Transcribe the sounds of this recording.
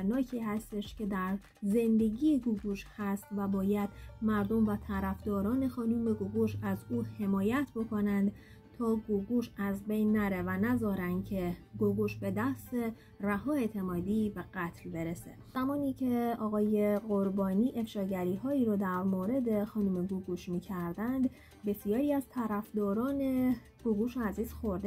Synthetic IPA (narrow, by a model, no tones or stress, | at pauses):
ɾnɒːcʰiːhæst̪e̞ʃcʰe̞d̪æɾ | ze̞nd̪e̞ɟiːjeɡuɡuːʃhæst̪væbɒːjæd̪̥mæɾd̪o̞mvæt̪ʰæɾæfd̪ɒːɾɒːne̞xɒːnuːme̞ɡoɡoʃæzuːhe̞mɒːjæt̪ʰbo̞kʰo̞nænd̪ | t̪ʰɒːɡoɡuːʃæzbe̞jnːæɾe̞vænæzɒːɾænd̪̥̚cʰe̞ɡoɡuʃbe̞d̪æst̪e̞ | ræhɒːe̞ːt̪ʰe̞mɒːd̪iːbe̞ɡæt̪ʰlbeɾesḛz̥æmɒːniːcʰe̞ɒːɣɒːje̞ɢo̞ɾbɒːniːʔe̞fʃɒːɟæɾiːɦɒːiːɾoːd̪æɾmoɾe̞d̪e̞xɒːnuːme̞ɡuɡuːʃmiːcʰæɾd̪ænd̪ | be̞sijɒːɾiːæz̥t̪ʰæɾæfd̪ɒːɾɒːne̞ | ɡ̥oɡuːʃeæziːz̥xo̞ɾd̪e